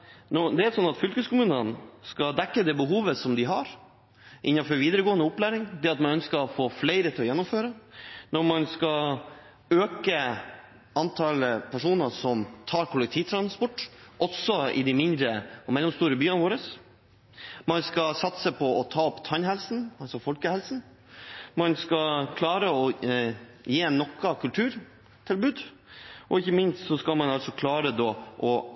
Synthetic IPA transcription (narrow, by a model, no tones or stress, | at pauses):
nɔd̪ɛæsɔnːɑt̪fʏlkəskʊmʉːnənskɑd̪ɛkːəd̪ɛːbəɦuːʋəsɔmd̪ɪɦɑɾ | ʔɪnːɑfɔɾʋiːd̪əɾəɡoːənəʊplæːɾɪŋd̪ɛɑt̪mɑnœnskəɔfoːflɛɪɾət̪ʰɪlɔjɛnːʊmføːɾənɔɾmɑnskɑ | øːkə | ɑnt̪ʰɑləpʰæʂuːnəsɔmt̪ʰɑːɾkʰʊlɛk̚t̪ʰiːʋt̪ʰɾɑnspɔʈːʔɔsɔɪ̰d̪ɛmɪnd̪ɾəɔmɛlːɔmst̪uːɾəbyːənʋoːɾəs | mɑnskɑsɑt̪səpʰɔɔt̪ʰɑːɔpːt̪ʰɑnɦɛlsn̩ɑlsɔfɔlkəhɛlsn̩ | mɑnskɑkʰlɑːɾəɔ | jeːnɔkːɑkʰʉlt̪ʰʉːɾ | t̪ʰɪlbʉːd̪ | ʔɔɪçəmɪnst̪sɔskɑlmɑnɑlsɔkʰlɑːɾəd̪ɔːʔɔ